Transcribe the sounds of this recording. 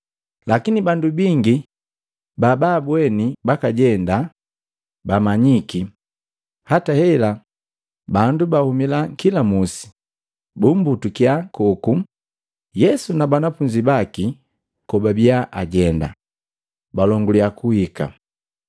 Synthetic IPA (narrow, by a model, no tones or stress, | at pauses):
lakinibandubiŋɡi | bababwɛnibakaɟɛnda | bamaɲiki | hatahɛla | bandubahumilakilamusi̥ | bumbutukiakɔku | jɛsunabanafuɲd͡ʒibaki | kɔbabiaʔa̰ɟɛnda̰ | balɔŋɡuliakuhika̰